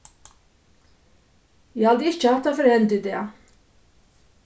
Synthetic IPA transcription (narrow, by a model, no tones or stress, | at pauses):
jæhɑld̪əɪt͡ʃəhɑt̪ɑːfœɾɛnd̪ɪd̪eː